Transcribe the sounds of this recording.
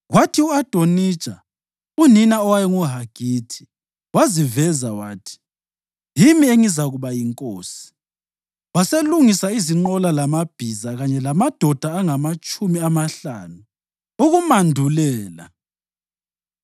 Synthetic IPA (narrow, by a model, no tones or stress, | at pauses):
ɣwatʰiuad̥ʱoni̥t͡ʃʼa | uninaɔwajɛŋuɦaɡ̥ʱiːtʰi̥ | wazivɛzawaːtʰi̥ | jimieŋizaɣuβajiŋkʼoːsi̥ | waseluŋisaiziŋ͡ǃɔlalamab̥ʱizaɣaɲɛlamad̥ʱɔd̥ʱaːŋamat͡ʃʼumiamaɬanu | uɣumandʱulɛːla̰